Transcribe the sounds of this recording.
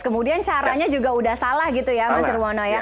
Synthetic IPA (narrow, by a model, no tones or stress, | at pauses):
kəmudiant͡ʃaɾaɲad͡ʒuɡaudahsalahɡit̪ujaməsərwɔnɔja